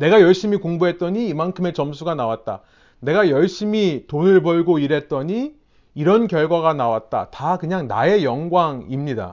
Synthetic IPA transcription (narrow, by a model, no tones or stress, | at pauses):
ne̞ɡajʌɭɕ͈imikoŋbuɦe̞t̚t͈ʌɲiːmankʰɯme̞t͡ɕʌms̬ʰuɡanawat̚t͈a̰ | ne̞ɡajʌɭɕ͈imitonɯɭpʌɭɡoiɾe̞t̚t͈ʌɲi | iɾʌnkjʌɭɡwaɣanawat̚t͈a̰takɯɲaŋna̰e̞jʌŋɡwaŋimɲida̰